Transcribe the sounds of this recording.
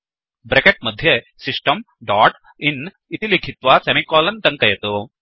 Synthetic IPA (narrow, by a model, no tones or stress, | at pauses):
bɾekeʈ̚mɐd̪ʱje | siʂʈɐm | ɖaːʈ | in | it̪ilikʰit̪ʋasemikɔːlɐnd̪ɐŋkɐjɐt̪u